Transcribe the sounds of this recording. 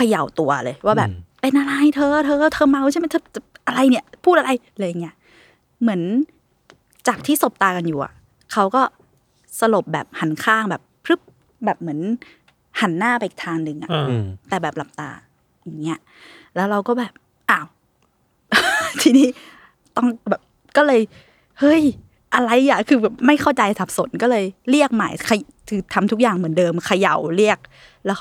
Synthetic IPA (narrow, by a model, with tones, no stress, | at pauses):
kʰa˧ja˨˩wt̪u˧ɐlɤː˧jwaː˥˩bɛː˨pːe˧nʔa˧ɾa˧jt̪ʰɤː˧t̪ʰɤː˧t̪ʰɤː˧ma˧wt͡ɕʰa˥˩ma˥˩t̪ʰːʔa˧ɾa˧jni˦˥˩ɐpʰuː˥˩ʔa˧ɾa˧j | lɤː˧ja˨˩ŋːi˦˥ɐ | mɯ˩˦ən | t͡ɕaː˨˩k̚t̪ʰiː˥˩so˨˩p̚t̪aː˧ka˧njuː˨˩ʔa̰˨˩ | kʰa˦˥wkɔː˥˩ | sa˧lo˨˩p̚bɛː˨˩p̚ha˩˦nkʰaː˥˩ŋbɛː˨˩p̚ʰɾɯ˦˥p̚ | bɛː˨˩p̚mɯ˩˦ən | ha˩˦nːaː˥˩pa˧˩ʔi˨˩t̪ʰaː˧ŋnɯ˧ŋʔa˨˩ʔt̪ɛː˨˩bɛː˨˩p̚la˨˩p̚t̪a̰ː˧ | ja˨˩ŋːi˦˥ɐ˨ | lɛː˦˥wɾa˧wkɔː˥˩bɛː˨˩p̚ | ʔaː˧˩w | t̪ʰiː˧niː˦˥ | t̪ɔ˥˩ŋbɛː˨˩p̚ | kɔː˥˩lɤː˧j | hɤ˦˥˩j | ʔa˧ɾa˧jːa˨˩kʰɯː˧bɛː˨˩p̚ma˥˩jkʰa˥˩wt͡ɕa˧jsa˨˩p̚so˨˩˦nkɔː˥˩lɤː˧jɾi˥˩ək̚ma̰˨˩jkʰa˧j | t̪ʰɯː˧t̪ʰa˧mt̪ʰu˦˥k̚jaː˨˩ŋmɯ˩˦əndɤː˧mkʰa˧ja˨˩wli˥˩ək̚ | lɛː˦˥w